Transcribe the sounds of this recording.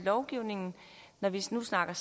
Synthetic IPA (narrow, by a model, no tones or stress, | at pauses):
lɒʊɡ̥iʊne̝ŋn̩nɒʋisnusnɑ̈ɡ̥ɐs